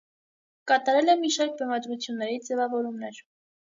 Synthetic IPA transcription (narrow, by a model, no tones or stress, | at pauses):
kɑt̪ɑɾɛlɛmiʃɑɾk̚bɛmɑd̪ɾut͡sʰjunːɛɾid͡zɛvɑvɔɾumnɛɾ